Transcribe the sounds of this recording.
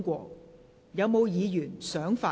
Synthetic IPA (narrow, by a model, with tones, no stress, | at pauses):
kʷɔː˧ | jɐ˨˧wmo˨˧wjiː˨˧jyː˨˩nsœː˨˥ŋfaː˧